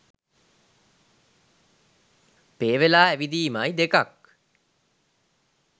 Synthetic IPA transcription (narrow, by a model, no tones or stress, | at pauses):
peːʋelaːæʋid̪iːmajd̪ekak̚